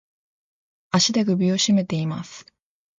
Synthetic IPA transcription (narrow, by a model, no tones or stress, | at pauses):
aɕid̪eɡɯ̟bʲio̞ɕime̞t̪e̞imasɨ̥